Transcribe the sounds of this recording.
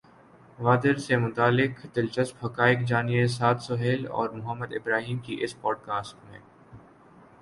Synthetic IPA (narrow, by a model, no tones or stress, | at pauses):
ʋaːd̪əɾsemʊt̪aːlːɪkd̪ɪlt͡ʃəspɐkaːɪkd͡ʒaːnies̬aːt̪sʊɦeːlɔ̰ːɾmʊɦəmːəd̪ɪ̰bɾaːɦiːmkiʔɪspɔːɖkaːsʈmḛ̃ː